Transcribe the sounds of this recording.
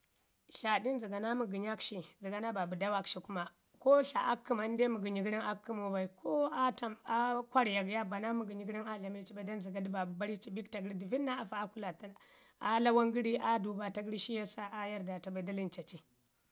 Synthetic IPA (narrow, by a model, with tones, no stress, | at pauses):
ɬa˨di˦n˦zi˨ɡa˨na˦mu˨ɡi˨ɲa˦kʃi˨nzi˨ɡa˨na˦ba˨bu˨da˦wa˦kʃi˨ku˦ma˨ | ko˦ɬa˨ʔa˦kːi˦ma˨n˦de˦mu˨ɡi˨ɲi˨ɡɾi˦ŋa˦kːi˦mo˨ba˨i˨kʰo˦a˦ta˨ma˦kʷa˦ɾja˨ɡja˦ba˨na˦mu˨ɡə˨ɲi˨˦ɡɾi˦ŋa˦ɮa˨me˦t͡ʃi˦ba˨i˨da˦nzi˨ɡa˨di˦ba˨bu˨ba˦ɾi˦t͡ʃi˦bi˦kta˨ɡɾi˦di˨vi˦nːa˦a˦˨fa˨a˦ku˦la˨ta˦la˦wa˦ŋɡi˦ɾi˦ʔa˦du˨ba˨ta˦ɡɾi˦ʃi˦ja˦sa˦ʔa˦ja˦ɾda˨ta˨ba˨i˨da˦li˦nt͡ʃa˨t͡ʃi˨